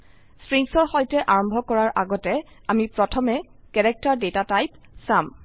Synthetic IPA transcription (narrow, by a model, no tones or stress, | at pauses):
stɹiŋsɔɹxɔjtɛʔaɹɔmbʱɔkɔɹaɹʔaɡɔtɛ | amipɹɔtʰɔmɛ | kɛɹɛk̚taɹdetatajp̚ | sam